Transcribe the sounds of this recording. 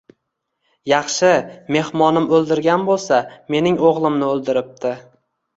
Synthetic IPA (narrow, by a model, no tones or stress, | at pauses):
jɑχʃɪme̞hmɒnɪmɵlˠd̪ɪɾɡʲanbolˠsame̞nɪŋoʁlˠɪmnɪɵlˠd̪ɪɾɪp̚t̪ʰɪ